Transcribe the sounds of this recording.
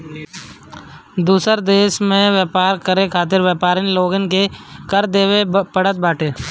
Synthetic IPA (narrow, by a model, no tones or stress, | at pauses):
d̪uːsəɾd̪eːʃmẽʋjəːpaːɾkəɾekʰaːt̪̬ɪɾʋjəːpaːɾɪnloːɡənɪkekəɾd̪eːwepəɽət̪̚baːʈʰeː